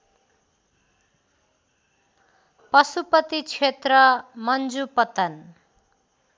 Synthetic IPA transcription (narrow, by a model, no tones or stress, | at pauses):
pʌsupʌt̪it͡sʰet̪rʌmʌnd͡zupʌt̪ʌn